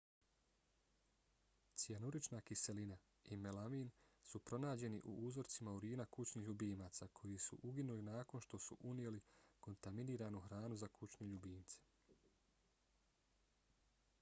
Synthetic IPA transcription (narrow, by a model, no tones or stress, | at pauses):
t̪sianuɾit͡ʃnaːkise̞lina | imelamiːnsupɾo̞naːd͡ʑe̞nḭʔṵʔuːzo̞ɾt̪simauɾiːnakut͡ʃniːhʎubiːmaːt̪sakʰo̞jisṵʔuɡinulinaːko̞nʃt̪o̞suʔunjeliko̞nt̪aminiːɾaːnuxɾaːnuzakut͡ɕneʎubiːnt̪se̥